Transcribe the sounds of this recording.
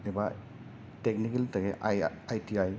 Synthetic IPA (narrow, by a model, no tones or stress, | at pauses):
eba | tek̚nikeltɐɡeajtiaj